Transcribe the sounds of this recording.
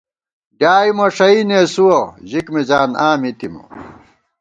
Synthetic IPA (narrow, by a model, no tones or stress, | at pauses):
ɖjaːimɐʂɐineːsuwɐʑikmid͡ʑaːnaːmit̪imṵ